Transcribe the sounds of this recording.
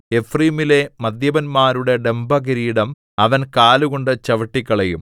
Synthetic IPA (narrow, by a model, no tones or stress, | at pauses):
efriːmile̞mɐd̪jɐʋɐnmaːɾuɽe̞ɖe̞mbʱɐɡiɾiːɽɐm | ɐʋɐnkaːluɣo̞ɳɖɨt͡ɕɐʋɐʈːikːɐɭejum